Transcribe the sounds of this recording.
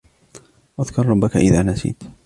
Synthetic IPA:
ʔaðkɑɾˤɑbːakaʔɪðaːnasḭːt̪

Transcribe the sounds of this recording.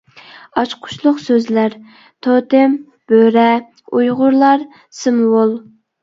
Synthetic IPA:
ɑt͡ʃqʰʊ̥ʃlˠʊqsøzlæɾ | t̪ʰot̪ɪm | b̥øɾɛ | ujʁʊɾlˠɑɾ | sɨmwolˠ

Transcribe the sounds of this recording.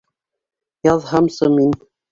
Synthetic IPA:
jɑðhɑmsɤmin

